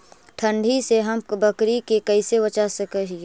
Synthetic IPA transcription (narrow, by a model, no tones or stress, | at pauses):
ʈʰə̃ɳɖʱiseɦɐmbəkɾikekɐɪsewɐt͡ʃasəkəɦi